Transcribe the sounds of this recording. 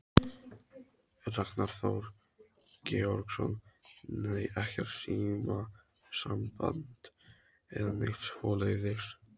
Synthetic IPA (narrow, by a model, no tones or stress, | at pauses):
ɛraknaɾ̥θawɾ | cɛːɔɾksɔ̰nː | ajɛhcɛɾ̥siːma | sampant̪ | ɛðaneht̪shɔːleðɪɾ̥